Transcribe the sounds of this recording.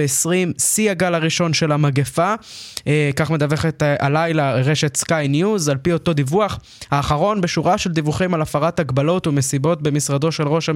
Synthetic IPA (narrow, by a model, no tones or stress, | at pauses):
eesʁimsiaɡalaʁiʃo̞nʃe̞lamaɡefa | kaχme̞d̪ave̞χet̪a̰lajlaʁeʃe̞t̪skajnjuzalpio̞to̞d̪ivuaχ | haːχaʁo̞nbe̞ʃuʁaʃe̞ld̪ivuχimalafaʁathaɡbalo̞tume̞sibo̞tbe̞misʁad̪o̞ʃe̞lʁo̞ʃa